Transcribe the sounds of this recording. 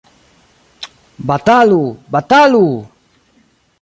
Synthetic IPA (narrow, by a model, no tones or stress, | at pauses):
bat̪alubat̪alu